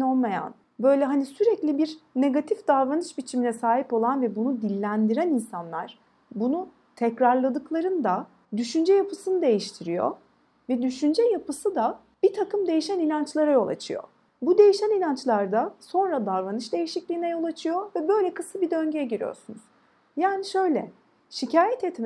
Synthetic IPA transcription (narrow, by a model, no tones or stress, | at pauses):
olˠmaja̰n | bø̞jlʲɛɦanisyɾɛclʲibiɾne̞ɡat̪ʰifd̪aɾvanɯʃbit͡ʃʰiminɛsaːɦipo̞lˠanvɛbunud̪ilʲːænd̪iɾæninsanlˠaɾ̥ | bunu | t̪ʰɛcɾaɾlˠad̪ɯklˠaɾɯnd̪a | d̪yʃynd͡ʒɛjapʰɯsɯnɯd̪e̞jiʃt̪ʰiɾijo̰ | vɛd̪yʃynd͡ʒɛjapɯsɯd̪a | b̥it̪ʰakʰɯmd̪e̞jiʃæninant͡ʃlˠaɾajo̞lˠa̰t͡ʃʰɯjo̰ | bud̪e̞jiʃæninant͡ʃlˠaɾd̪aso̞nɾad̪aɾvanɯʃd̪e̞jiʃiclʲiːnɛjo̞lˠat͡ʃʰɯjo̞vɛbø̞jlʲɛkʰɯsɯbid̪ø̞ɲɟejɛɟiɾijo̰ɾsunuz̥ | jaːniʃø̞jlʲɛ̰ | ʃicʰaːjɛt̪et̪m